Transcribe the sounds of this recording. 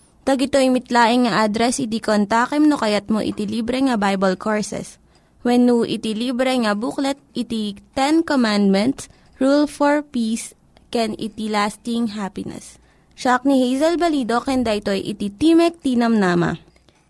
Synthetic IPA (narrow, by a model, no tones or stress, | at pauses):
t̪ɐɡɪt̪oimɪt̪laːʔɪŋŋɐʔad̪ɾɛsʔɪt̪ikont̪aːkɛmnokɐjat̪̚mo̰ʔɪ̰t̪iliːbɾɛŋɐbajbɐlkʰoɹsɛ̰s | wɛnːuʔɪ̰t̪iliːbɾɛŋɐbuklɛt̪̚ʔɪt̪it̪ɛnkomand̪̚mɛ̃nt̪s | ɹulfoɹpiːs | kɛnɪ̰t̪ilast̪ɪŋɦapɪnɛ̰s | ʃak̚nihejzɐlbɐliːd̪o̞kɛnd̪ɐʔɪt̪ojʔɪ̰t̪it̪imɛk̚t̪iːnɐmnaːmɐ̰